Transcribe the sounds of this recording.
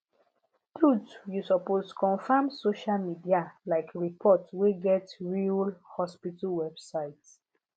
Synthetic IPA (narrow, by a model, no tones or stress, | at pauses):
tɹutjusɔposkɔ̃nfamsoʃalmidialaɪkɹipʰɔtweɡɛtɹilhɔspitalwɛb̥saɪt